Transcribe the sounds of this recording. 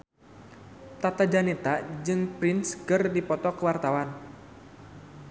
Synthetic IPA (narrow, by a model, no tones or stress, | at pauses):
t̪at̪ad͡ʒanit̪ad͡ʒɨŋpɾɪnskɨrdipɔt̪ɔkəwart̪awan